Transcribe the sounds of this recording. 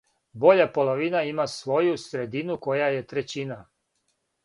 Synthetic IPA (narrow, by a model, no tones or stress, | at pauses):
bo̞ʎapo̞lˠoʋinaimasʋo̞jusɾed̪inuko̞jaje̞t̪ɾet͡ɕina